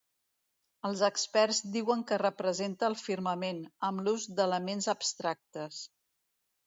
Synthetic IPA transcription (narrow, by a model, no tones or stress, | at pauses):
əlˠzəkspɛɾzd̪iwəŋkərəpɾəzent̪əːlˠfiɾməmenəmluzd̪ələmenzəbst̪ɾak̚t̪əs